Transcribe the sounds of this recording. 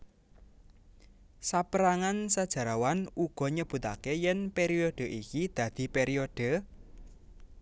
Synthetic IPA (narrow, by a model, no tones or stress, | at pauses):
sapəɾaŋansad̥ʒ̥a̤ɾawanuɡ̥ɔ̤ɲəb̥ṳt̪a̰kejɛnpeɾioɖ̥ə̤ʔikid̪̥ä̤d̪̥i̤peɾiod̥ə̤